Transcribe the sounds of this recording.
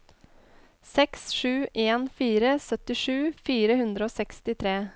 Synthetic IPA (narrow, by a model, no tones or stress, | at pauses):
sɛksʂʉːʔeːnfiːɾəsœt̪ɪʂʉːfiːɾəhʉnd̪ɾəoːsɛkst̪ɪt̪ʰɾeː